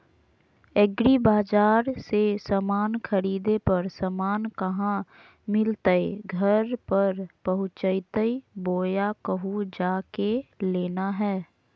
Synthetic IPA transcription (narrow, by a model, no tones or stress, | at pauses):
ɛɡɾibaːd͡ʒaːɾsesəmaːnkʰəɾiːd̪epɐɾsəmaːnkɐɦã | mɪlt̪əeɡʱɐɾpɐɾpɐɦʊ̃t͡ʃəjt̪əiboːjakəɦud͡ʒaːkeleːnaɦɛː